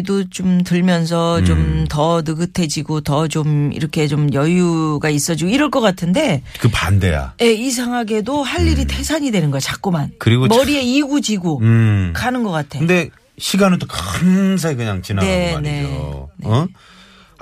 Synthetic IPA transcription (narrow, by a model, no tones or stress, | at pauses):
dot͡ɕomtɯɭmjʌns̬ʰʌt͡ɕomtʌnɯɡɯtʰe̞d͡ʑiɡotʌt͡ɕomḭɾʌkʰe̞t͡ɕomjʌjuɡais͈ʌd͡ʑiɡoiɾʌɭk͈ʌk͈atʰɯnde̞ | kɯpande̞̰ja̰je̞is̬ʰaŋaɡe̞dohaʎːiɾitʰe̞sʰaɲidwe̞nɯnɡʌjt͡ɕak͈omankɯɾiɡomʌɾie̞iɡud͡ʑiɡokanɯnɡʌk͈atʰekɯnde̞ | ɕʰiɡanɯt͈okams̬ʰekɯɲaŋt͡ɕinane̞ne̞neʌ